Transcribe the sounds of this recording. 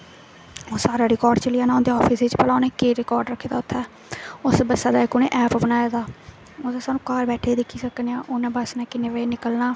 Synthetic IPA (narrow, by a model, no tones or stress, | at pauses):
õːsaːɾaːɾɪkɔːɾɖt͡ʃəlɪjaːnãːond̪eːɔːpʰisiːt͡ʃpəlaːneːkeːɾɪkɔːɾɖɾəkʰːeːd̪aːʊt̪ʰːɛː | ʊsbəsaːd̪aːɪkʊnḛːʔɛːpbənaːjaːd̪aː | od̪ːsaːnũːkaːɾbɛːʈʰeːd̪ekʰːiːsəkneːãːʔʊnãːbəsnaːkɪneːʋəeːnɪkəlnaː